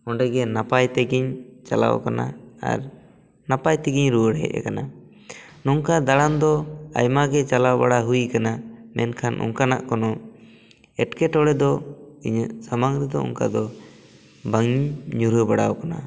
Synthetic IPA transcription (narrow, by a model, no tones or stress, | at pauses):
ɔɳɖɛɡɛnapajt̪ɛɡiɲt͡ʃala̰wɔ̰kanaa̰ɾ | napajt̪ɛɡiɲɾuwəɽɦɛ̰ʔ̚a̰kana | nɔŋkad̪aɽand̪ɔa̰jmaɡɛt͡ʃalawbaɽaɦuikanamɛnkʰanʔɔ̰ŋkanaʔkɔnɔ | ɛʈkɛʈɔɽɛd̪ɔiɲsamaŋɾɛd̪ɔ̰ɔ̰ŋka̰d̪ɔ | baŋɲuɾəbaɽawɔkana̰